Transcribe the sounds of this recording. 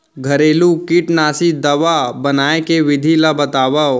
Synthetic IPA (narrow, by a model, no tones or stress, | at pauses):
ɡʱɐɾeːlukiʈnaːsid̪ɐʋabɐnaːekeʋɪd̪ʱilabɐt̪aːʋao